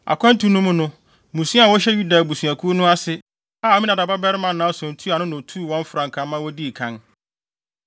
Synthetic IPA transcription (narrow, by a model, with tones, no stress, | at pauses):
a̰˨kʰʷɛ̃˦n˦tũ˨˦nʊ̃˦mʊ̃˦nʊ̃˦ | mũ˨sũ˦a˨wɔ˦ɕɛ˦ju˦da˨bu˨su˨a˨kʰu˦nʊ̃˦a˦sɪ˦ | aː˦˨ɔ˦mĩ˦nã˨da˨ba˦bɛ˦ɾɪ˦mã˨nãː˨˦ɔ˨sʊ̃˨n̩˨tʰu˦a˨nʊ̃˦nʊ̃˨tʰu˦˨wɔ̃˦m˦fʊ˨ɾã˨ŋkʰã˦mã˦wɔ˦di˦˨kʰã˦n